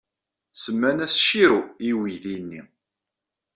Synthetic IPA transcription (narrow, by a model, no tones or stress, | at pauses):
səmːænæsʃiɾuiwiðinːi